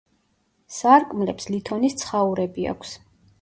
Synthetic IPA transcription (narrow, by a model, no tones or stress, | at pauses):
saɾkʼmlɛpslit̪ʰɔnist̪sʰχauɾɛbia̰kʰs